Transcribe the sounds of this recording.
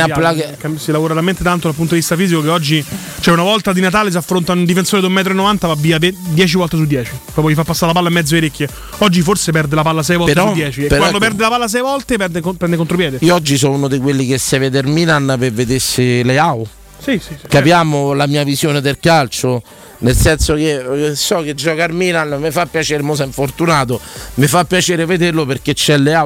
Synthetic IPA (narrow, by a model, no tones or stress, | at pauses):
aplakkasilavoːɾaɾament̪et̪ant̪od̪alp̬unt̪odivist̪afiːzikokeɔd͡ʒːi | t͡ʃoɛunavɔlt̪ad̪inat̪aːles̬afːɾont̪aund̪ifensoːɾed̪umːɛːt̪ɾoenːovant̪avavːiːaved̪jɛːt͡ʃivɔlt̪es̬ud̪jɛːt͡ʃiɾɔpɔjifapːasːaɾelapalːaimːɛd̪zːoeɾekːje | ɔd͡ʒːiforsepɛrd̪elapalːas̬ɛjvɔlp̪ɾɔud̪jɛːt͡ʃiekpewand̪opɛrd̪elapalːas̬ɛjvɔlt̪epɛd̪ekopɾɛnd̪ekːont̪ɾopjɛːd̪eiɔd͡ʒːis̬ɔunod̪ekwelːikesːeved̪eɾminanpevːed̪esːeleaw | siikapjaːmolamiːavisjoːned̪elkalt͡ʃo | nelsɛnsokesɔk̟ed͡ʒːɔkaɾminanmefapːjat͡ʃɛːɾemos̬ɛɱfort̪unaːt̪omɪfapːjat͡ʃɛːɾeved̪erloperk̟et͡ʃːɛlːea